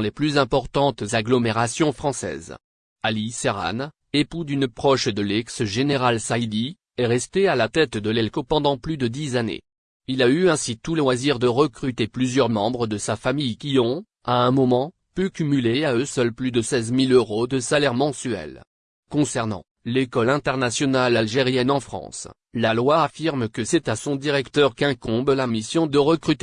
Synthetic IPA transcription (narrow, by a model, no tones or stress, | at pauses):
leplyzɛ̃pɔʁt̪ɑ̃t̪zaɡlɔmeʁasjɔ̃fχɑ̃sɛ̰ːz | aliseʁa̰n | epud̪ynpχɔʃd̪əlɛksʒeneʁalsaid̪i | ɛʁɛst̪ealat̪ɛt̪d̪əlɛlkopɑ̃d̪ɑ̃plyd̪əd̪izanḛ | ilayɛ̃sit̪uləwaziʁd̪əʁəkχyt̪eplyzjœʁmɑ̃bʁəd̪əsafamijkʲiɔ̃ | aɛ̃mɔmɑ̃ | pykʲymyleaøsœlplyd̪əsɛzmiløʁod̪əsalɛʁmɑ̃syɛ̰l | kɔ̃sɛʁnɑ̰̃ | lekɔlɛ̃t̪ɛʁnasjɔnalalʒeʁjɛnɑ̃fχɑ̰̃s | lalwaːfiʁmkəsɛt̪asɔ̃d̪iʁɛkt̪œʁkɛ̃kɔ̃blamisjɔ̃d̪əʁəkχyt̪e